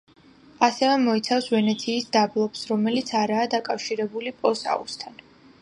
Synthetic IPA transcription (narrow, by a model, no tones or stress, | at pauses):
asɛvɛmɔit̪sʰafsvɛnɛt̪sʰiːsd̪ablˠɔpsɾɔmɛlit̪sʰaɾaːd̪akʼafʃiɾɛbulipʼɔsa̰ṵst̪ʰan